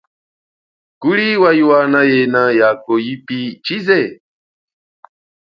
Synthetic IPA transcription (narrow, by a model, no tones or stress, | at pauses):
kuliwajuwanãjenãjakojipit͡ʃizɛ